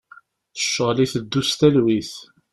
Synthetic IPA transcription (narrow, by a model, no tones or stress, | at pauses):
θə̥ʃːəliθəd̪ːust̪ælwiθ